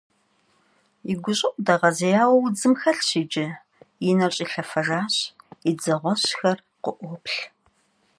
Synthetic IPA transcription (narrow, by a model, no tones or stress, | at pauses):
iɡʷʊɕʼɪʔʷʼdɐʁɐzɐjaːwɐwʊd͡zɨmxɐɬɕiːd͡ʒɪ | jɪnɐɕʼiːɬɐfɐʒaːɕid͡zɐʁʷɔɕxɐr | qʊʔʷɔpɬ